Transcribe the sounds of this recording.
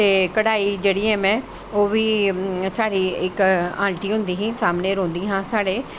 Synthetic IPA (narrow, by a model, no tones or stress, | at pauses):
t̪eːkɐɽaːid͡ʒeːɽĩmẽ | oːbʱisaːɽiɪkãːɳʈiɦʊ̃ːnd̪iɦĩsaːmneɾõːnd̪iɦãːsaːɽe